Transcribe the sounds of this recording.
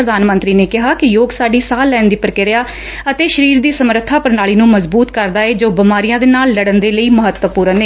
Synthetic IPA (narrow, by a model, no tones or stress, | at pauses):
ɾəd̪aːnmə̃nt̪ɾiːneːkɪɦaːkɪjoːɡsaːɖiːsaːlːɛːnd̪iːpəɾkɪɾjaː | ət̪eːʃəɾiːɾd̪iːsəməɾət̪ʰːaːpəɾnaːliːnũːməzbuːt̪kəɾd̪aːeːd͡ʒoːbɪmaːɾijãːd̪eːnaːlːəɽənd̪eːləiːməɦət̪wəpuːɾəneː